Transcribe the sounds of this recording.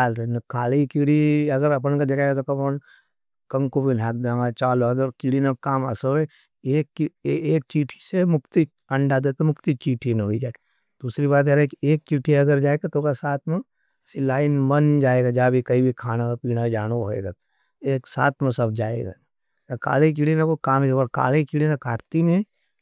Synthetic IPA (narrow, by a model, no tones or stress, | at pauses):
aːlɾnkʰaːlikiːɽiɐɡəɾɐp̬nkad͡ʒɐkaːɡat̪okapən | kɐ̃ŋkobʱilʱaːk̚d̪ãŋat͡ʃaːlod̪ɔɾkiɽinekaːma̰soe | eːkːieːk̚t͡ʃiːʈʰi̥semʊkt̪i | ɐ̃ɳɖad̪et̪emʊkt̪it͡ʃiːʈʰineɦoid͡ʒaːe | d̪̥uːsɾiβaːt̪̬ɛɾekeːk̚t͡ʃiːʈʰiɐɡəɾd͡ʒaːeɡat̪oːkasaːt̪ʰmẽ | sɪlaːinmɐnd͡ʒaːeːɡad͡ʒaːbʱikɐibʱikʰaːnakapiːɽ̃ad͡ʒaːñoɦoḛːɡa | eːksa̰ːt̪ʰmẽsɐb̚d͡ʒaːḛɡa̰ | jaka̰ːlek̬iɽinakokaːmeoəɾka̰ːlekiɽinãkaːʈt̪inẽ